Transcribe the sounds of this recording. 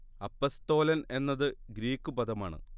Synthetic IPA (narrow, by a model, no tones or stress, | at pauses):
ɐpːɐst̪o̞ːlɐne̞nːɐðɨɡɾiːkːupɐd̪ɐmaːɳɨ̰